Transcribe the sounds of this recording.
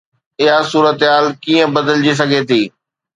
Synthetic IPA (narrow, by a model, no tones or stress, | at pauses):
ɪɦasuːɾət̪ɦaːlkiːə̃bɐd̪əld͡ʑis̬ɐɡʱet̪ʰiː